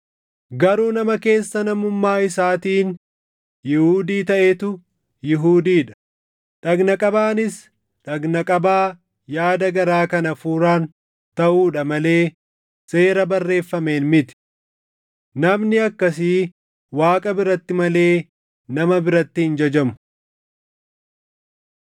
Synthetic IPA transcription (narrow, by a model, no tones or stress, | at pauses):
ɡɐɾuːnɐmɐke̞ːsːɐnɐmʊmːaːɪsaːt̪iːn | jɪhuːd̪iːt̪ɐʔeːt̪ʊ | jɪɦuːd̪iːᶑɐ̥ | ᶑɐɡnɐkʼɐbaːnɪs | ᶑɐɡnɐkʼɐbaː | jaːd̪ɐɡɐɾaːkɐnɐfuːɾaːn | t̪ɐʔuːᶑɐmɐle̞ː | se̞ːɾɐbɐrːe̞ːfːɐme̞ːnmɪt̪ɪ̥ | nɐmnɪɐkːɐs̬i | waːkʼɐbɪɾɐt̪ːɪmɐle̞ː | nɐmɐbɪɾɐt̪ːɪhɪnd͡ʒɐd͡ʒɐmʊ̥